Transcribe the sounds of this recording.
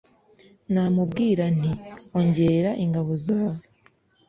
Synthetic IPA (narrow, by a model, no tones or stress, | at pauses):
namubɡiːɾan̥io̞ɲɟe̞ɾaʔiŋɡaβo̞zaːβo